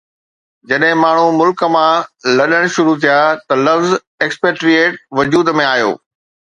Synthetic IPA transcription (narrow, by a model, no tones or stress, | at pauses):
d͡ʑɐɗɦɪ̃maːɳ̤umʊlkə̆mãlɐɗəɽ̃ʃʊɾut̪ʰijat̪ɐlɐfz | ekspeːʈɾieːʈ̚ʋɐd͡ʑuːd̪mẽaːjo̰ː